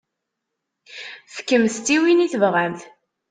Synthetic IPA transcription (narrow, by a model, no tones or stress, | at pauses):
θə̥kːəmst̪iwiniθəvʁæmθ